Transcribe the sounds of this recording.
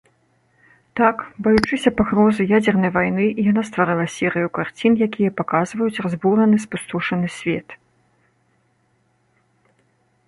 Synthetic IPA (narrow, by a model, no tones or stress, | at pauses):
t̪akbɐjut͡ʂɨsʲɐpaɣɾɔzɨjad͡zʲɛrnɐjvajnɨʔijanast̪vaɾɨlˠɐsʲiɾɨjukart͡sʲinjakʲijɐpakazvɐjut͡sʲrazbuɾɐnɨspust̪uʂɐnɨsʲvʲɛt̪